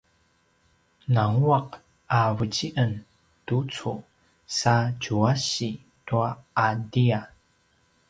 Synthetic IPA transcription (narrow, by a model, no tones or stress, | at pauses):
naŋuaq̚ | avəd͡ʑiʔən | tut͡su | saɟuaɕi | tuaːdia